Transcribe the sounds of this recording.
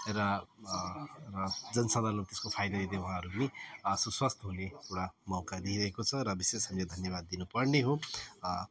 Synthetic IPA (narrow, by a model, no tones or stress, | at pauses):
rʌ | rʌd͡zʌnsʌd̪ʱant̪eskopʰajd̪ʌd̪id̪ewʌɦãʌɾupʌnisuswʌst̪ʰʌɦuneewɽamʌwkad̪iiɾʌɦekot͡sʰʌɾʌbisesʌmled̪ʱʌnjʌβad̪ːinupʌrneɦo